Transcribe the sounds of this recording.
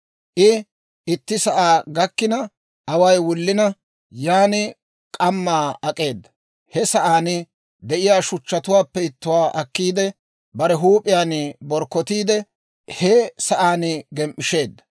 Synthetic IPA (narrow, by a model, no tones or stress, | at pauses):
ʔɪ | ɪt̪ːɪsɐʔaːɡɐkːɪnɐ | ɐwɐjwʊlːɪnɐ | jaːnɪ | kʼɐmːaːɐkʼe̞ːd̪ːɐ | hɛsɐʔaːnɪ | d̪ɛʔɪjaːʃʊt͡ʃːɐt̪ʊwaːpːɛɪt̪ːʊwaːʔɐkːiːd̪ɛ | bɐɾɛɦuːpʼɪjaːnbɔɾkːɔt̪iːd̪ɛ | hɛsɐʔaːnɪɡɛmʔɪʃe̞ːd̪ːɐ